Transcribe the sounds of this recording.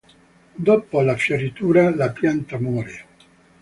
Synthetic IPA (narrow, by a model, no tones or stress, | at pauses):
d̪ɔpolafjorit̪uːɾalapjant̪amɔːɾe